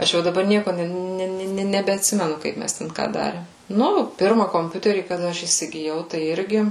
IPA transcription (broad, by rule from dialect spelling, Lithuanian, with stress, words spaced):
ˈɐʃ jɛʊ dɐˈbɐr ˈnʲiɛkoː ˈnʲɛ ˈnʲɛ nʲɛbʲɛɐtʲˈsʲɪmʲɛnʊ ˈkɐɪp ˈmʲɛs ˈtʲɛn ˈkɑː ˈdɑːrʲeːm ˈnʊ ˈpʲɪrmɐ koːmʲˈpʲʊtʲɛrʲiː kɐˈdɐ ˈɐʃ iːsʲɪɡʲɪˈjɛʊ tɐɪ ˈɪrʲɡʲɪ